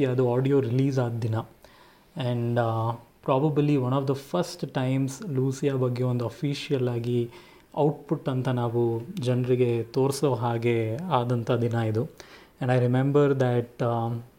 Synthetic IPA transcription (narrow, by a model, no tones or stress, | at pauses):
jaːɐd̪uaːɖijoːɾiliːzaːd̪d̪inɐ | ɛ̃ɳɖpɾaːbɐbliʋɐnɔːʋd̪ɐfʰɐɾsʈʈɐjmsluːsijaːbɐɡːeond̪uɐfʰiːʃijɐlːaːɡi | ɐwʈpuʈːɐnt̪ɐnaːʋud͡ʒɐnɐɾiɡe̞t̪oːɾsloːɦaːɡe̞aːd̪ɐnt̪ʰɐd̪inɐid̪u | ɛ̃ɳɖɐjɾimẽmbɐɾd̪æʈ